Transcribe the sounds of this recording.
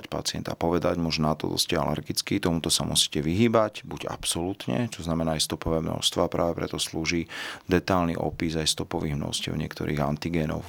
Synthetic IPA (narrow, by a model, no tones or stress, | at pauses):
cpa̰t͡sɪɛ̰nt̪a̰pɔʋɛd̪aɟmɔʒnat̪ɔ̰d̪ɔ̰scɛalɛ̰ɾɡit͡skit̪ɔmut̪ɔsamṵsi̥ːcɛʋiɦiːbacbuɟa̰psɔluːt̪ɲɛ̰t͡ʃɔznamɛnaːajst̪ɔpɔʋɛːmnɔ̰st̪ʋaːpɾa̰ːʋɛpɾɛt̪ɔsluːʒiːd̪ɛt̪alnḭʔɔ̰pizajst̪ɔpɔʋiːɣmnɔ̰scɛ̰ʊɲɪɛ̰kt̪ɔ̰ɾʔiːɣant̪iɡɛːnɔ̰ʊ